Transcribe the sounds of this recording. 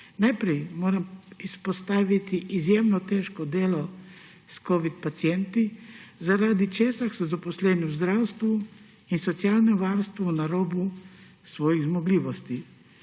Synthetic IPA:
najpɾɛjmoːɾamispɔst̪aːʋit̪iʔizjemnɔt̪eːʃkɔd̪eːlɔ | skɔːʋit̪pat̪sjɛnt̪izaɾaːd̪it͡ʃeːsaxsɔzapɔslɛːniwzd̪ɾaːwst̪ʋu | insɔt̪sijaːlnɛʋaɾst̪ʋɔwnaɾoːbu | sʋɔːjiɣzmɔɡliːʋɔst̪i

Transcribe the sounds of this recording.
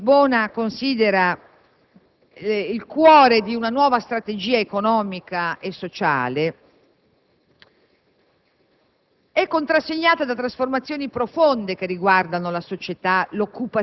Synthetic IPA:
bɔːnakonsiːd̪eɾa | ilkwɔːɾed̪iunanwɔːvast̪ɾat̪ed͡ʒiːaekonɔːmikaesːot͡ʃa̰ːle | ɛkːont̪ɾasːeɲːaːt̪ad̪at̪ɾasformat̪sːjoːnipɾofond̪ek̟erːiɡward̪anolasot͡ʃet̪alokːupa

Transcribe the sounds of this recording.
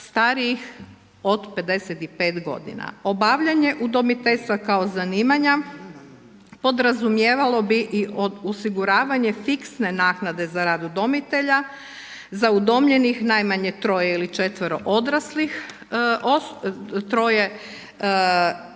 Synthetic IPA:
st̪aɾiix | o̞d̪pe̞d̪e̞set̪ipe̞ːt̪ɡo̞̰d̪ḭna̰o̞baʋʎaɲe̞ʔud̪o̞mit̪e̞ʎʲst̪ʋakao̞zaniːmaɲa | po̞d̪ɾazumjeːʋalˠo̞biʔioosiɡuɾaːʋaɲe̞fiksne̞naːknad̪e̞zaɾad̪ud̪o̞mit̪e̞ʎa | zaud̪o̞mʎenixnajmaɲe̞t̪ɾo̞jeilit͡ʃe̞t̪ʋɾo̞̰ʔod̪ɾaslix | ost̪ɾo̞je

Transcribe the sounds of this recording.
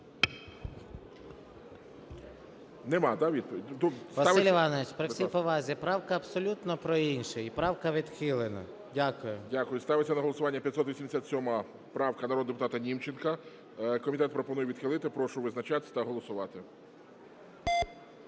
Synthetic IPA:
nemɑd̪ɑʋʲid̪̚pɔid̪ʲusʋɐsilʲʋɑnɔʋɪt͡ʃpɾɔsʲijpɔʋɑzʲipɾɑwkɐɐbsɔlʲut̪nɔpɾɔinʃɛipɾɑwkɐʋʲid̪xɪlˠenɐ̰ | dʲakʊjʊdʲakʊjʊst̪ɑʋɪt͡sʲːɐnɐɦɔlˠɔsʊʋɑnʲːɐpʲjɐt̪sɔt̪ʋʲisʲimd̪esʲat̪sʲɔmɐ | pɾɑwkɐnɐɾɔd̪d̪epʊt̪ɑt̪ɐnʲimt͡ʃenkɐ | kɔmʲit̪ɛt̪pɾɔpɔnujɛʋʲid̪xʲɪlˠɪt̪ɪpɾɔʃʊʋɪznɐt͡ʃat̪ɪt̪ɐɦɔlˠɔsʊʋɑt̪ɪ

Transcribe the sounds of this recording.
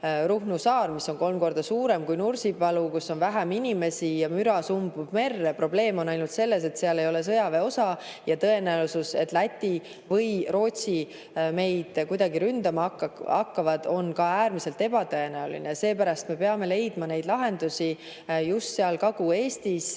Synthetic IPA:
ɾuhnusɑːrmisːo̞nko̞lmko̞rd̪ɑsuːɾe̞mkujnursibɑlukusːo̞nvæɦæminʲime̞sijɑmyɾɑsumbub̥me̞rːepro̞ble̞ːmo̞nːɑjnult̪se̞lːe̞s̬e̞t̪seɑle̞jo̞le̞s̬ɤjɑve̞o̞sɑjɑt̪ɤ̞e̞næuwsuse̞t̪ːˑlæt̪ʲːi | vɤjɾo̞ːt̪si | me̞jd̪̥kujd̪ɑɡiɾynd̪̥ɑmɑkːɑkːɑvɑd̪̥o̞nkɑæːɾmise̞lt̪e̞b̥ɑt̪ɤe̞næulḭnese̞ːpæɾɑst̪me̞peɑme̞le̞jd̪̥mɑne̞jd̪lɑɦe̞nd̪̥usi | just̪seɑlkɑɡ̥ue̞ːst̪is

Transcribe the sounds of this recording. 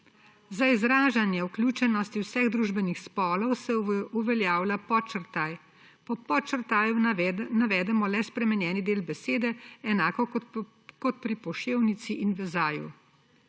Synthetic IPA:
zaizɾaːʒanjɛwklʲjuːt͡ʃɛnɔst̪iwsɛɣd̪ɾuːʒbɛnixspɔːlɔwsɛuʋɛljaːwlapɔt͡ʃəɾt̪aj | pɔpɔt͡ʃəɾt̪aːjunaʋɛːd̪ɛmɔlɛspɾɛmɛnjɛːnid̪eːlbɛseːd̪ɛɛnaːkɔ | kɔt̪̚pɾipɔʃeːwnit̪siʔinʋɛzaːjṵ

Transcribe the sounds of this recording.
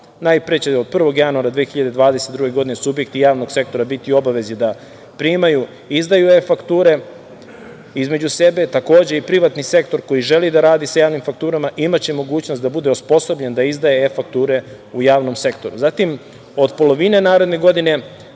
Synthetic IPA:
najpɾet͡ɕeod̪̚pr̩ʋo̞ɡjanuaɾad̪ʋeːxiʎad̪e̞d̪ʋaːd̪eset̪d̪ɾuɡe̞ɡo̞d̪inesubje̞kt̪ijaːʋno̞ɡ̥se̞k̚t̪o̞ɾabit̪io̞baʋe̞zid̪a | pɾiːmaju | izd̪ajuefakt̪uːɾe̞ | izme̞d͡ʑuse̞be̞t̪ako̞ːd͡ʑe̞ipɾiʋat̪nise̞kt̪o̞ɾko̞jiʒe̞lid̪aɾaːd̪isajaːʋnimfak̚t̪uːɾamaʔimat͡ɕe̞mo̞ɡuːt͡ɕno̞st̪d̪abud̪e̞ospo̞so̞bʎe̞nd̪aizd̪aje̞efak̚t̪uːɾe̞ | ujaːʋno̞mse̞kt̪o̞ɾuzaːt̪im | o̞d̪po̞lˠo̞ʋine̞naːɾed̪ne̞ɡo̞d̪ine̞

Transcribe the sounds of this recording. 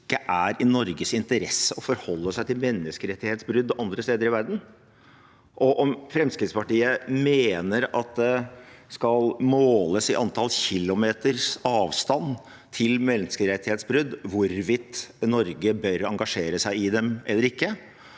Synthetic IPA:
kːəʔæɾɪnɔɾɡəsɪnt̪əɾɛsːəɔfɔɾhɔlːəsæɪt̪ɪlmɛnːəskəɾɛt̪ːɪheːt̪sbɾʏd̪ːɔʔɑnd̪ɾəst̪eːd̪əɾɪʋæɾd̪n̩ | ʔɔʔɔmfɾɛmskɾɪt̪spɑʈiːəmeːnəɾɑt̪̚d̪ɛskɑlmoːləsɪʔɑnt̪ʰɑlçɪlːʊmeːt̪əɾsɑːʋst̪ɑn | t̪ʰɪlmɛnskəɾɛt̪ːɪheːt̪sbɾʏd̪ːʋʊɾʋɪt̪ːnɔɾɡəbœɾɑŋɡɑʂeːɾəsæɪɪd̪ɛmɛlːəɾɪkːə

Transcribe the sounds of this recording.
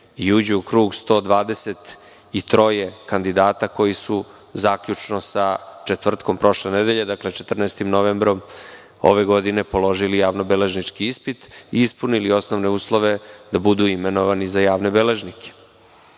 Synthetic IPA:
iuːd͡ʑuukɾuːɡst̪o̞ːd̪ʋaːd̪e̞se̞t̪ | it̪ɾo̞jekand̪id̪aːt̪ako̞jisu | zaːkʎut͡ʂnosat͡ʃe̞t̪vr̩t̪ko̞mpɾo̞ʃlened̪eʎed̪akle̞t͡ʃe̞t̪r̩naest̪imnoʋembɾo̞m | o̞̰ʋe̞ɡo̞d̪inepolo̞ʒilijaːʋnobele̞ʒnit͡ʂkiispit̪iispunilio̞snoʋne̞uːslˠoʋe̞d̪abud̪uimenoʋanizajaːʋne̞bele̞ʒnikʰe̥

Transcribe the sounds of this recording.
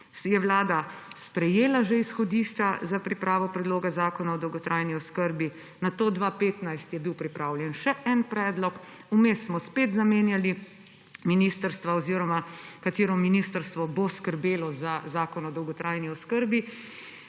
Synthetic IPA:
jɛʋlaːd̪aspɾɛjeːlaʒɛisxɔd̪iːʃt͡ʃazapɾipɾaːʋɔpɾɛd̪loːɡazaːkɔnaɔd̪ɔwɡɔt̪ɾʔajniɔskəɾbi | nat̪oːd̪ʋapeːt̪najst̪jɛbiwpɾipɾaːwljɛnʃɛʔɛnpɾɛːd̪lɔk | umesːmɔspeːt̪zameːnjali | miniːst̪əɾst̪ʋaɔziːɾɔmakat̪eːɾɔminiːst̪əɾst̪ʋɔboskəɾbeːlɔzazaːkɔnɔd̪ɔwɡɔt̪ɾajniɔskəɾbi

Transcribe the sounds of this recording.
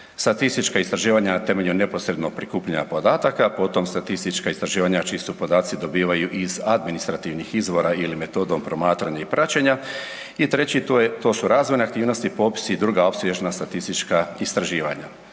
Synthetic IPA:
st̪at̪ist̪it͡ʃkaist̪ɾaʒiːʋaɲanat̪e̞me̞ʎune̞po̞sɾe̞d̪nopɾikuːpʎaapo̞d̪aːt̪akapo̞t̪o̞mst̪at̪ist̪it͡ʃkaist̪ɾaʒiːʋaɲat͡ʃiːsupo̞d̪aːt̪sid̪o̞biːʋajuʔizad̪minist̪ɾat̪iʋnixizʋo̞ɾailime̞t̪o̞ːd̪o̞mpɾo̞maːt̪ɾaɲaipɾʔat͡ɕeɲa | it̪ɾe̞t͡ɕit̪o̞ːsuɾaːzʋo̞jneakt̪iːʋno̞st̪ipo̞ːpi̥sid̪ɾuːɡao̞psʋʲjeʒnast̪at̪ist̪it͡ʃkaist̪ɾaʒiːʋa̰ɲa̰

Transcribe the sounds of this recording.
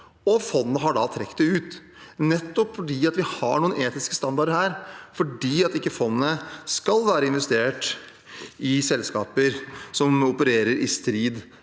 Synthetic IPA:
ɔfɔnːnəɦɑɖɑt̪ʰɾɛkːd̪ɛʉːt̪ | nɛt̪ːɔpfɔɖiːɑt̪ʋɪhɑ̰ɳuːəneːt̪ɪskəst̪ɑnd̪ɑɖəhæːɾfɔɖiːɑt̪ɪkːəfɔnnəskɑlʋæːɾəɪnʋɛst̪eːʈ | ɪsɛlskɑ̰ːpəɾsɔmʊpəɾeːɾəɾɪst̪ɾiːd̪

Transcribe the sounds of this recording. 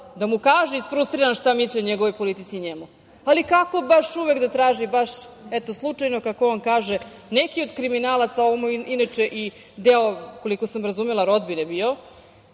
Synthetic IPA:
d̪amukaːʒeisfɾust̪ɾiɾanʃt̪amislʲioɲeɡo̞ʋojpo̞lit̪it̪siɲemu | alikako̞baʃuʋekd̪at̪ɾaːʒibaʃɛt̪o̞slˠut͡ʂajnokako̞onkaːʒe | nekio̞d̪kɾiminaːlˠat̪saoʋomuiinat͡ʃe̞ʔi | d̪eoko̞liko̞samɾazumelˠaɾo̞d̪binebio̞

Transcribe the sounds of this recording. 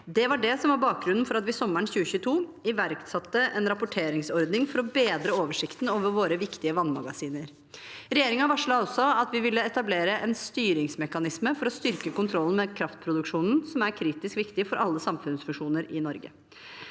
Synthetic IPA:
d̪ɛʋɑɖɛsɔmʋɑɾbɑːk̚ɡɾʉnːn̩fɔɾɑt̪ʋɪsɔmːəɳçʉːəçʉːət̪ʰuːɪʋæɾkt̪sɑt̪ːəʔɛnɾɑpʊʈʰeːɾɪŋsɔɾd̪nɪŋfɔɾɔbeːd̪ɾəoːʋəʂɪkt̪noːʋəɾʋoːɾəʋɪkt̪ɪəʋɑnmɑ̰ɡɑsiːnəɾ | ɾɛjeːɾɪŋɑʋɑʂɭɑɔsɔɑt̪ʋɪʋɪlːəɛt̪ɑbleːɾəʔɛnst̪yːɾɪŋsmɛkɑnɪsməfɔɾɔst̪ʏɾkəkʊnt̪ʰɾɔlːn̩mɛkʰɾɑft̪̚pʰɾʊd̪ʉkʂuːnn̩sɔmæɾkʰɾiːt̪ɪskʋɪkt̪ɪfɔɾʔɑlːəsɑmfʉnsfʉʂuːnəɾɪnɔɾɡə̰

